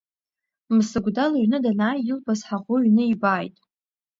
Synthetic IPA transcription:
msɨɡʷdalaɥnɨdanaːjɪlbʰʼasħaʁʷʊɥnɨibaːjtʼ

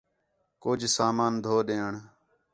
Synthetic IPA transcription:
kʊd͡ʒʱsaːmaːnd̪ʱoːɗẽːəɳ

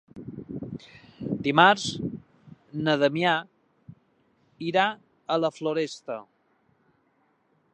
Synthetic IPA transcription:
d̪imaɾz | nəðəmja | iɾa | ələfloɾest̪ə

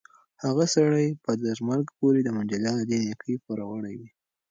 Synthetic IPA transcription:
haɣasaɽajpəd̪azmaɾɡpoɾed̪əmʊnd͡ʒaljɑnod̪enekʰəjpəɾaɣaɳajwi

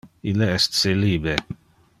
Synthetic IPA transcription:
ileɛst̪seliːbɾe

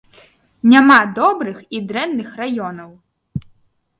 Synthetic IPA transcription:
nʲamad̪ɔbɾɨxid̪ɾɛnːɨxrajɔnɐw

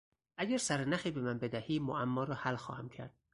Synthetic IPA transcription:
ʔæɟæɾsæɾenæxiːbe̞mænbe̞d̪æhiːmoʔæmːɒːɾɒːhælxɒ̰ːhæmcʰæɾd̪̥̚

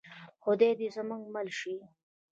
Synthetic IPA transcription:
xʊd̪ed̪izəmuŋɡmalʃi

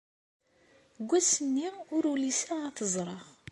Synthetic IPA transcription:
ɡʷːæsənːiʊɾulisaaθəzˤɾˤɑʁ

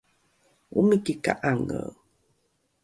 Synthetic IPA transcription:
umikika̰ʔaŋə̰w

